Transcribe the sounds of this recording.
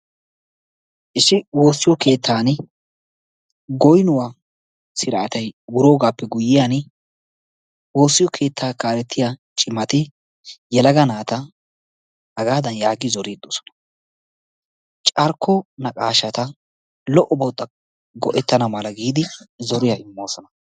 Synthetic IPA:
ʔɪsɪwo̞ːsːɪjɔke̞ːt̪ʰːaːn | ɡɔjnʊwaː | sɪɾɐʔːt̪ɐjwʊɾo̞ːɡaːpːɛɡʊjːɪjaːn | wo̞ːsːɪjɔkʰe̞ːt̪ʰːaːkaːɾɛt̪ʰːɪjat͡ʃʼɪmɐt̪ɪ | jɛlɐɡɐnaːt̪ɐ | hɐɡaːd̪ɐnjaːɡɪzɔɾiːd̪ɔsɔ̥nɐ̥ | t͡ʃʼɐɾkʰːɔnɐkʼaːʃɐt̪ɐ | lɔʔɔbɔt̪ʼːɐ | ɡɔʔɛt̪ːɐnɐmɐlɐɡiːd̪ɪzɔɾɪjɐʔɪmːo̞ːsɔnɐ

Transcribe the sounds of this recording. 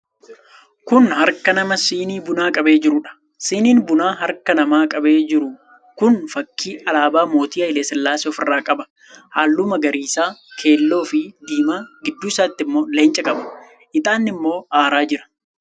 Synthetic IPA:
kʊnhɐɾkɐnɐmɐsiːniːbʊnaːkʼɐbe̞ːd͡ʒɪɾʊᶑɐ̥ | siːniːnbʊnaːɦɐɾkɐnɐmaːkʼɐbe̞ːd͡ʒɪɾʊ | kʊnfɐkːiːʔɐlaːbaːmo̞ːt̪iːɐɪleːsɛlːaːsɔfɪrːaːkʼɐbɐ̥ | haːlːʊmɐɡɐɾiːsaːkʰe̞ːlːo̞ːfɪd̪iːmaːɡɪd̪ːuːɪsaːt̪ːɪmːo̞ːleːnt͡ʃʼɐkʼɐbɐ | ʔɪt̪ʼaːnːɪmːo̞ːaːɾaːd͡ʒɪɾɐ̥

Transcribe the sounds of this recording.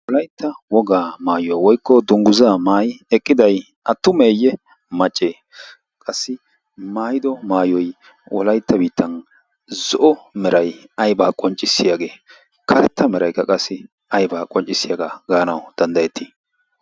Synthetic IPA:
wɔlɐjt̪ːɐwɔɡaːmaːjʊwawɔjkːɔd̪ʊŋɡʊzaːmaːjɪɛkʼːɪd̪ɐj | ʔɐt̪ːʊmeːjːɛ | mɐt͡ʃʼːeː | kʼɐsːɪ | maːjɪd̪ɔmaːjɔj | wʔɔ̰lɐjt̪ːɐbiːt̪ːɐn | zɔʔɔmɛɾɐjɐjbaːkʼɔnt͡ʃʼːɪsːɪjaɡe̞ː | kʰɐɾɛt̪ːɐmɛɾɐjkːɐkʼɐsːɪ | ɐjbaːkʼɔnt͡ʃʼɪsːɪjɐɡaɡaːnɐ̰wd̪̥ɐnd̪ɐjɛt̪ːi̥ː

